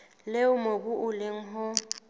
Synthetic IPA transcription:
leʊmok̬ʼʊʔʊlɪŋ̩ɦɔ

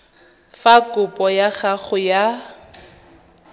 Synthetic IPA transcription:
fakʼʊpʼɔjaχaχʊja

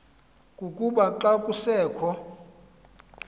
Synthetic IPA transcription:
kʼukʼuɓaǃakʼusɛːkʰɔ

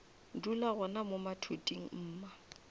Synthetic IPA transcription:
dulaɣɔnamʊmatʰutʼiŋ̩m̩ːma

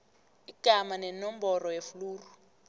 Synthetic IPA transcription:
iɡ̥ʱamanɛnɔm̩bɔrɔjefuluːru

